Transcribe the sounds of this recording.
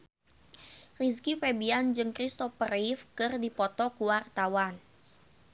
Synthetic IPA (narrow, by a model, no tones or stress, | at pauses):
riskifɛbiand͡ʒɨŋkɾist̪ɔfəɾifkɨrdipɔt̪ɔkuwart̪awan